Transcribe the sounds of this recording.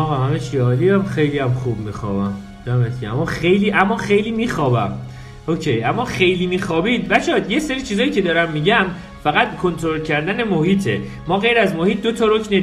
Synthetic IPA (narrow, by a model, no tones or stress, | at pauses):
ɒːɣɒmæmeʃiɒːliæmχe̞jliæmχuːb̚miːxɒ̰ːbæm | d̪æmet̪cʰeæmːɒːxe̞jliːʔæmːɒːxejliːmiːxɒːbæ̰m | ocʰejʔæmːɒːxe̞jliːmiːxɒːbiːd̪væʃɒd̪je̞seɾiːt͡ʃʰiːzɒːjiːce̞d̪ɒːɾæmːiːɟæm | fæɣæt̪kʰo̞nt̪ʰoɾolcʰæɾd̪æne̞mohiːt̪ʰe̞ | mɒːɣe̞jɾæzmohiːt̪̚d̪o̞t̪ʰɒːɾocne